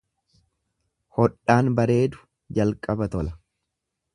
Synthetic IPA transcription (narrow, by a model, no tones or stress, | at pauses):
hɔᶑːaːnbɐɾe̞ːd̪ʊ̥ | d͡ʒɐlkʼɐbɐt̪ɔlɐ